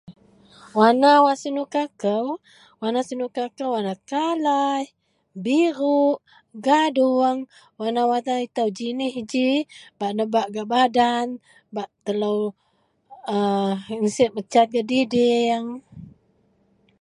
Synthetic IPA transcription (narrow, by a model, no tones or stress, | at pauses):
wanawasinukakəw | wanasinukakəwanakalaj | biɾuʔ | ɡaduəŋ | wanawat̪ait̪əwd͡ʒinihid͡ʒibaʔnəbaʔɡaʔbadan | baʔt̪ələw | əŋsiʔmət͡ʃat̪̚ɡadidɪŋ